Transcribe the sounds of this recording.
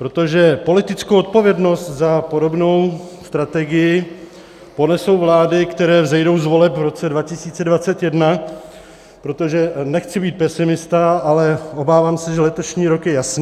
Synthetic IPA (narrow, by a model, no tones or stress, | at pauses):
pɾo̞t̪o̞ʒɛpo̞lɪt̪ɪt͡skowot̪̚po̞vjɛdno̞st̪zapo̞do̞bno̞wst̪ɾat̪ɛɡɪjɪ | po̞nɛso̞wvlaːdɪkt̪ɛɾɛːvzɛjdo̞wzvo̞lɛpvɾo̞t͡sɛdvacɪsiːt͡sɛdvat͡sɛt̪jɛdna | pɾo̞t̪o̞ʒɛnɛxt͡sɪbiːt̪̚pɛsɪmɪst̪aʔalɛʔo̞baːvaːmsɛʒɛlɛt̪o̞ʃɲiːɾo̞kjɛjasn